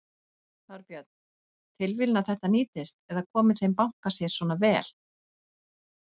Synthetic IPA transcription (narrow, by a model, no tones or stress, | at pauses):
θawɾpjœt̪̚n̥ | t̪ʰɪlvɪlnaθɛht̪aniːt̪ɪst̪ɛðakʰɔːmɪθejmpaŋ̥kasjɛ̥sɔːnavɛːl̥